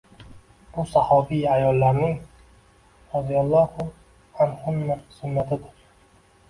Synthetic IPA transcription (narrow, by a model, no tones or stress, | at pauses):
b̥ʊsahɒbijajɒlːaɾnɪŋ | ɾazijalˠːɒhʊ | anhʊnːasʊnːat̪ʰɪd̪ɪɾ